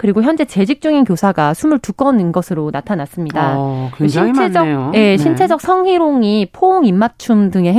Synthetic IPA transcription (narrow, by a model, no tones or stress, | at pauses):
kɯɾiɡoçjʌnd͡ʑe̞t͡ɕe̞d͡ʑik̚t͡ɕ͈uŋinkjosʰaɡasʰumɯɭtuk͈ʌnɯnɡʌsʰɯɾonatʰanas͈ɯmɲidakɕint͡ɕʰed͡ʑʌje̞ɕʰint͡ɕʰe̞d͡ʑʌk̚sʰʌŋɦiɾoŋipʰooŋimːat͡ɕʰumdɯŋe̞ɦ